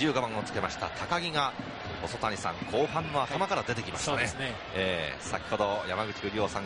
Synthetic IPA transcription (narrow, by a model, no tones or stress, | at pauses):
ɨːɡabãŋ̃o̞t͡sɨ̥ke̞maɕi̥t̪a̰t̪ʰakaɡʲiŋa | o̞so̞t̪aɲʲisã̰ŋkʰo̞ːɦãnːo̞at̪amakaɾad̪e̞t̪e̞kʲimaɕoanesne | eːsakʲi̥ho̞d̪o̞jamaɡɯ̟t͡ɕi̥ɡɯ̟ɾʲio̞ːsãŋ